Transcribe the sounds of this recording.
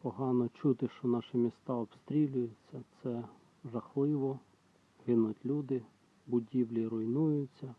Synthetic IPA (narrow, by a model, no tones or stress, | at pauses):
pɔɦɑnɔt͡ʃut̪ɪʃt͡ʃɔnɑʃɪmʲist̪ɑɔbst̪ɾʲilʲʊjʊt͡sʲːɐt̪sɛ | ʒɐxlˠɪʋɔ | ɦɪnʊtʲlʲud̪ɪ | bʊdʲiwlʲiɾʊjnujʊt͡sʲːɐ